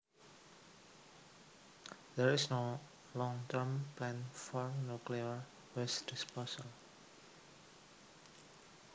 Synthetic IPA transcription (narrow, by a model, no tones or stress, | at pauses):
d̪ɛɹisno | lɔ̃ŋtəɹmplɛ̃nfɔɹnjukliəɹ | wɪsdisposəl